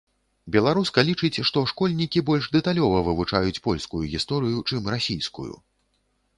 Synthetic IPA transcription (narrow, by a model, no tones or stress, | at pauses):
bʲɛlˠaɾuskɐlʲit͡ʂɨt͡sʲʂt̪ɔʂkɔlʲnʲikʲibɔlʲʐd̪ɛt̪alʲɔvɐvɨvut͡ʂajut͡sʲpɔlʲskujuɣʲist̪ɔɾɨjut͡ʂɨmɾasʲijskṵjṵ